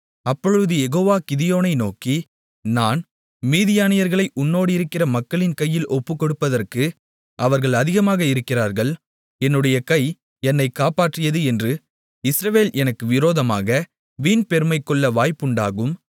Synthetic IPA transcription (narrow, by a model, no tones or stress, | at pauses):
ɐpːɔɻɯðɯjɛɣoːʋaːkɪðɪjoːnɐɪnoːki | naːn | miːðɪjaːnɪjɐɾɣɐɭɐɪʔʊnːoːɽɯɪɾɯkːɪrɐmɐkːɐɭɪnkɐjːɪlʔɔpːɯkːɔɽɯpːɐðɐrkɯ | ʔɐʋɐɾɣɐɭɐðɪɣɐmaːɣɐɪɾɯkːɪraːɾɣɐɭ | ɛnːɯɽɐjɐkɐj | ɛnːɐɪkːaːpaːʈrɪjɐðɯɛndrɯ | ɪsɾɐʋeːlɛnɐkːɯʋɪɾoːðɐmaːɣɐ | ʋiːnpɛɾɯmɐɪkːɔɭːɐʋaːjpʊɳɖaːɣɯm